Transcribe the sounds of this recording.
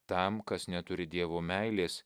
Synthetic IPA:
t̪ɐˑmkɐsnʲɛt̪ʊɾʲɪd̪ʲiɛʋoːmʲæɪlʲeːs

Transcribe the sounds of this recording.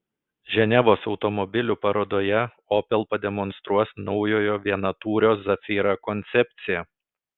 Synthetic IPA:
ʒʲɛnʲɛʋoːsɒʊt̪ɔmɔbʲɪlʲupɐɾoːd̪oːjɛ | ɔːpʲɛlˠpɐd̪ʲɛmɔnst̪ɾuɔsnɒʊjoːjoːʋʲiɛnɐt̪uːɾʲoːszɐfʲiːɾɑkɔnʲt̪sʲɛpʲt̪sʲɪjɛ

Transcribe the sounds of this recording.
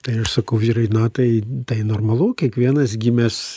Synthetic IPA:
t̪ɐɪɐʃsɐkɐʊʋʲiːɾɐɪnɐt̪ɐɪt̪ɐɪnoːrmɐlˠukʲiɛkʋʲiɛnɐsɡʲimʲɛs

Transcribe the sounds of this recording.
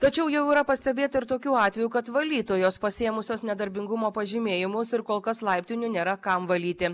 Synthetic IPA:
t̪ɐt͡ʃʲɛʊjɛʊiːɾɐpɐsʲt̪ʲɛbʲeːt̪ɐɪɾt̪oːkʲuːɑːt̪ʲʋʲɛjuːkɐt̪ʋɐlʲiːt̪oːjoːspɐsʲeːjɛmʊsʲoːsnʲɛd̪ɐɾʲbʲɪŋɡʊmoːpɐʒʲiːmʲeːjɪmʊsɪɾkoːlˠkɐslˠɐɪpʲt̪ʲɪnʲunʲeːɾɐkɐmʋɐlʲiːt̪ʲɪ

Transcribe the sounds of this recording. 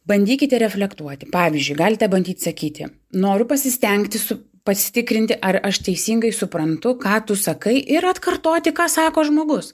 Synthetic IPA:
bɐnʲd̪ʲiːkʲɪt̪ʲɛɾʲɛfʲlʲɛkt̪uɔt̪ʲɪ̥pɑːʋʲizʲd͡ʒʲʊɪɡɑːlʲɪt̪ʲɛbɐnʲd̪ʲiːt̪ʲsɐkʲiːt̪ʲɪ̰ | noːɾʲʊpɐsʲɪsʲt̪ʲɛŋkt̪ʲɪsʊ | pɐsʲɪ̥t̪ʲɪkɾʲɪnʲt̪ʲɪʔɐrɐʃt̪ʲɛɪsʲiːŋɡɐɪsʊpɾɐnt̪ʊkɑːt̪ʊsɐkɐɪʔɪɾɐt̪kɐrt̪oːt̪ʲɪkɑːsɑːkoːʒmoːɡʊs

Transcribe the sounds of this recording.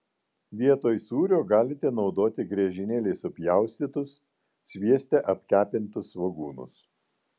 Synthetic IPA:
ʋʲiɛt̪oːjsuːɾʲoːɡɑːlʲɪt̪ʲɛnɒʊd̪oːt̪ʲɪɡɾʲɛʒʲɪnʲeːlʲeɪsʊpʲjæˑʊsʲt̪ʲiːt̪ʊsːʲ | ʋʲiɛsʲt̪ʲɛʔɐpʲkʲæːpʲɪnt̪ʊsʋɐɡuːnʊ̰s

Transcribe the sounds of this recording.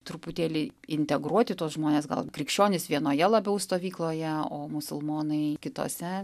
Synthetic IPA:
t̪ɾʊput̪ʲeːlʲɪɪnʲt̪ʲɛɡɾuɔt̪ʲɪt̪uɔsʒmoːnʲeːsɡɐ̰lˠkɾʲɪkʃʲt͡ʃʲoːnʲɪsʋʲiɛnoːjɛlˠɐbʲɛʊst̪oːʋʲiːklˠoːjɛoːmʊsʊlˠmoːnɐɪkʲɪt̪o̰ːsʲɛ

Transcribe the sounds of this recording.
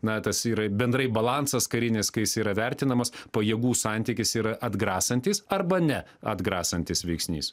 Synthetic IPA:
nɐt̪ɐsiːɾɐbʲɛnd̪ɾɐɪbɐlˠɑnsɐskɐɾʲɪnʲɪskɐɪjɪsiːɾɐʋʲɛɾʲt̪ʲɪnɐmɐspɐjiɛɡuːsɑnʲt̪ʲiːkʲɪsiːɾɐʔɐd̪ɡɾɑːsɐnʲt̪ʲiːsɐrbɐnʲɛ | ɐ̰d̪ɡɾɑːsɐnʲt̪ʲɪsʋʲɛɪksʲnʲḭːs

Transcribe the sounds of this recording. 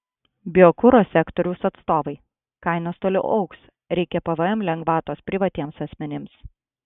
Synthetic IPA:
bʲɪɔkʊɾoːsʲɛkt̪ɔɾʲʊsɐt̪st̪oːʋɐɪ | kɐɪnoːst̪oːlʲɪ̰ʔɐʊks | ɾʲɛɪkʲɛpɐʋɐɛmlʲɛŋɡʋɑːt̪oːspʲɾʲɪʋɐt̪ʲiɛmsɐsʲmʲɛnʲɪms

